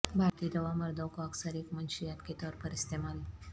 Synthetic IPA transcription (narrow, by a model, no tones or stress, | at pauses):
bʱaɾt̪id̪əʋaməɾd̪əwkoəksəɾekmənɕijat̪ket̪ɔɾpəɾist̪emal